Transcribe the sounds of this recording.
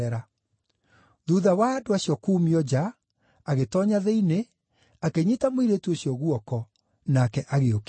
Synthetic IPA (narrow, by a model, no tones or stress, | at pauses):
ɛɾa | ðuðawadoaɕjɔkuːmiɔd͡ʑaː | ɣetɔɲaðeine | akeɲitamoiɾetuoɕjɔɣuɔkɔ | nakɛʔaɣeok